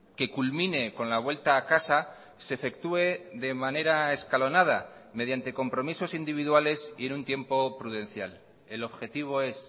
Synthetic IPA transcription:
ke̞kulmĩne̞ko̞nlaβ̞we̞lt̪aːkasa | sefe̞kt̪ue̞ðe̞mãne̞ɾae̞skalo̞nað̞a̰me̞ð̞jant̪e̞ko̞mpɾo̞miso̞sind̪iβ̞iðwale̞sḭe̞nũnt̪je̞mpo̞pɾuðe̞nθjal | e̞lo̞βxe̞t̪iβ̞o̞e̞s

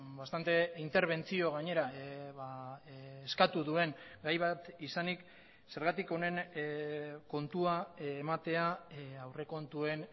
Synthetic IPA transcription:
bast̪ant̪e̞int̪e̞ɾβ̞e̞nt͡sio̞ɣ̞aɲe̞ɾaβaː | skat̪uðue̞ŋɡajβat̪isanik | se̞ɾɣat̪iko̞ne̞n | ko̞nt̪uaːmat̪e̞aawre̞ko̞nt̪ue̞n

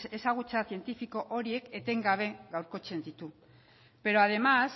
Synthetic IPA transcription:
e̞saɣ̞ut͡saθie̞nt̪ifiko̞ʔoɾie̞ke̞t̪e̞ŋɡaβ̞e̞ɡawɾko̞t͡se̞nd̪it̪u | pe̞ɾo̞aðe̞mas

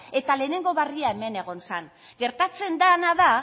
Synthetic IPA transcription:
e̞t̪ale̞ːne̞ŋɡo̞βariae̞me̞ne̞ɣ̞o̞nsan | ɡe̞ɾt̪at͡se̞nd̪anaða

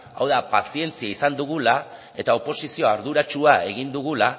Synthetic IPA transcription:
a̰wðapasie̞nt͡siaisand̪uɣula | e̞t̪ao̞po̞sisio̞aɾðuɾat͡ʃuae̞ɣind̪uɣula

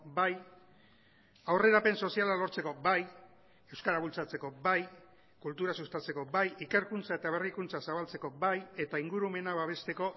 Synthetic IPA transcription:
baj | awre̞ɾape̞nso̞sialalo̞ɾt͡se̞ko̞baj | e̞wskaɾaβult͡sat͡se̞ko̞baj | kult̪uɾasust̪at͡se̞ko̞bajike̞ɾkunt͡sae̞t̪aβ̞e̞rikunt͡sasaβalt͡se̞ko̞baje̞t̪aiŋɡuɾume̞naβaβ̞e̞st̪e̞ko̞

